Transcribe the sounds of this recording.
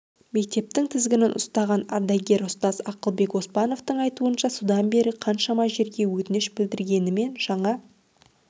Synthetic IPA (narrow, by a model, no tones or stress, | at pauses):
me̞k̚t̪e̞p̚t̪ɪŋt̪ʰɪzɡʲɪnɪnʔʊ̰st̪ɑʁɑnɑ̰ɾd̪ɑjɡʲe̞ɾʊst̪ɑzɑqəlˠbe̞kwo̞spɑno̞ft̪əɴɑjt̪uənʃɑsud̪ɑnbe̞ɾɪqʰɑnʃɑmɑʒe̞ɾɡʲe̞wɵt̪ɪnɪʃbɪld̪ɪɾɡʲe̞nɪme̞nʒ̥ɑɴɑ